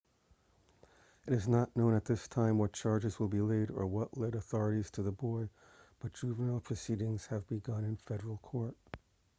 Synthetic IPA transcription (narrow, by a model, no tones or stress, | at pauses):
ɨɾɨznətⁿnõʊ̃nɨt̪̚ðɪstʰãɪ̃mwʌt̚t͡ʃʰɑɹd͡ʒɨzwəlˠbileɪɾə̰˞wʌʔlɛɾəθɔɹɨɾiz̥tʰɨðəbɔɪ | b̥ʌt̚d̥ɹ̥ʉvənl̩ˠpʰɹ̥ɨsiɾɪ̃ŋz̥ɨvbɨɡʌ̃nɨ̃nfɛɾə˞l̩ˠkʰɔɹt̚